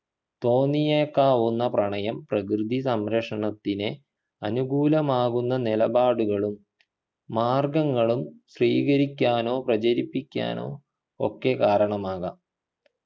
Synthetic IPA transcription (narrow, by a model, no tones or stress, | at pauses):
t̪o̞ːnːijekːaːʋunːɐprɐɳɐjɐmprɐk̬rɨd̪ʱisɐmɾɐkʂɐɳɐt̪ːine | ɐnuɡuːlɐmaːɣunːɐnilɐbaːɽuɣɐɭumː | aːrɡɐŋːɐɭumɕriːɣɐɾikʲːaːno̞ːprɐt͡ɕɐɾipːikʲːa̰ːno̞̰ː | o̰kːe̞kaːɾɐɳɐmaːɣɐ